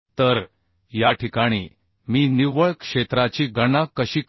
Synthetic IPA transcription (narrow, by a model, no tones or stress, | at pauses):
t̪əɾ | jaʈʰikaɽ̃ḭː | miːniʋəɭkʂet̪ɾat͡ɕiːɡəɳakəɕiːk